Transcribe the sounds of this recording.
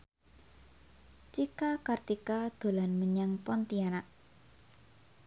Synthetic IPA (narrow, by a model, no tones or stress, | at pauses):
t͡ʃikakart̪ikad̪̥o̤lanməɲaŋpɔnt̪ianaʔ